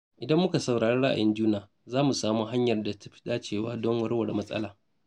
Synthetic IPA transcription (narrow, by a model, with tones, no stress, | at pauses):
ʔɪ˨dɐ˦mːʊ˦ka˨sa˨wɽaː˨ɽeː˦ɽɐ˦ʔa̰˨jɪ˦nd͡ʒuː˦naː˨ | zaː˦mu˨saː˦muː˦ɦa˦ɲjɐ˨rda˨tḁ˦ɸi̥˦ɗaː˦t͡ʃeː˦˨waː˦dɔ˦ŋwɐ˦rwɐ˨ɽmɐ˦sʼɐ̰˦laː˨